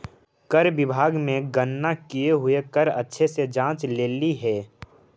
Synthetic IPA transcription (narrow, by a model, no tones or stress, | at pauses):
kəɾbɪbʱaːɡmẽɡənːakijeɦʊekəɾɐtːʃʰesed͡ʒãːt͡ʃleːliɦɛː